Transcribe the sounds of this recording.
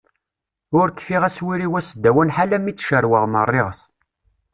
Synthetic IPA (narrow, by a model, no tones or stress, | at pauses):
ʊɾkːfiʁæswiɾiwæsd̪ːæwənħalæmit͡sːʃəɾwəʁmə̰rˤːɪʁəs